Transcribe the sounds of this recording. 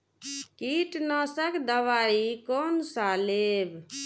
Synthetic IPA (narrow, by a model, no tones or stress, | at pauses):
kiʈnəsəkd̪əʋaɾikonsaleb